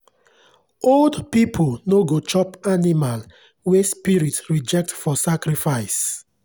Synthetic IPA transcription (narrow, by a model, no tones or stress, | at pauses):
oldpipʰolnoɡot͡ʃɔpanimal | wespiɹitɹid͡ʒɛk̚tfɔsakɹifaɪs